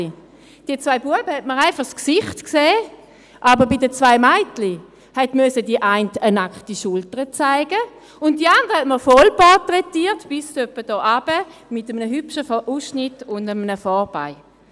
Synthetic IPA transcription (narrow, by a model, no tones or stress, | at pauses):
d̥iːɐt͡svaɪbuəbəhɛt̚məʁaɪfɑχsksɪχtkseː | ʔabəʁbidət͡svaɪmaɪtli | hɛtmøsədiəʔaɪntənakχtiʃʊltəʁət͡saɪɡə | ʊntdiandəʁəhɛtməʁfɔlpatʁɛtiːtb̥ɪstøpːəd̥ɔːʔab̥ə | mɪtəmənəɦypʃəfɔʔusʃnɪtʊndəmənəfɔʁb̥a̰ɪ